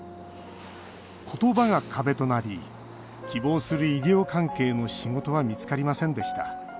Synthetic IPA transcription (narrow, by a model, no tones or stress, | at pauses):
kʰo̞t̪o̞baŋakʰabe̞t̪o̞naɾʲi | kʲibo̞ːsɨɾɯ̟iɾʲo̞ːkãŋke̞ːno̞ɕiŋo̞t̪o̞βamʲit͡sɨ̥kaɾʲimasẽ̞nd̪e̞ɕi̥t̪a